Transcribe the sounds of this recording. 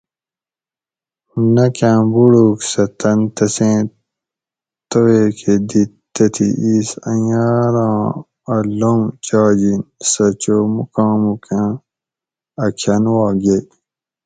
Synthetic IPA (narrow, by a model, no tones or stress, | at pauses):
nɐkãːbuɽuksɐt̪ɐnt̪ɐsẽː | t̪oweːkʰed̪i | t̪ɐt̪ʰiʔiːsɐ̰jaːɾãː | ɐlõŋt͡ɕɑːd͡ʑinsɐt͡ɕoːmukãːmukãː | ɐkʰɐnwaːɡe